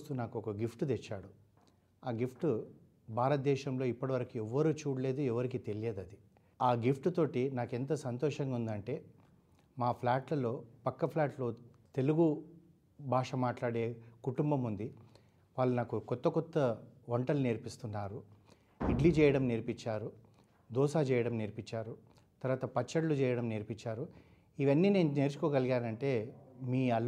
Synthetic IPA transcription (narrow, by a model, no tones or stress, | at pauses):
st̪unaːkuɔkɐɡipʰʈud̪ɛt͡ʃːaːɽu | aːɡipʰʈu | bʱaːɾɐt̪̚d̪ɛːʃɐmlo̞ːipːɐɽiʋɐɾɐkuɛʋːɐɾuːt͡ʃuːɽɐle̞ːd̪uɛʋɐɾikit̪e̞lijeːd̪ɐd̪i | aːɡipʰʈut̪o̞ːʈinaːkent̪ɐsɐnt̪ɔːʂɐŋɡaund̪ɐɳʈe̞ː | maːpʰlaːʈlɐlo̞ːpɐkːɐpʰlaːʈloː | t̪e̞luɡu | bʱaːʂɐmaːʈlaːɽe̞ːkuʈumbɐmund̪i | ʋaːɭːunaːkukɔt̪ːɐkɔt̪ːɐoɳʈɐluneːɾpist̪unːaːɾu | iɖlit͡ʃɛːjɐɽɐmneɾpiɲt͡ʃːaːɾu | d̪ɔːsaːt͡ʃɛːjɐɽɐmneɾpit͡ʃːaːɾu | t̪ɐɾʋaːt̪ɐpɐt͡ʃːɐɽlut͡ʃɛːjɐɽɐmneːɾpit͡ʃːaːɾu | iʋɐnːiːne̞ːnune̞ːɾt͡ʃu̥koːɡɐliɡaːnɐɳʈe̞ːmiːɐl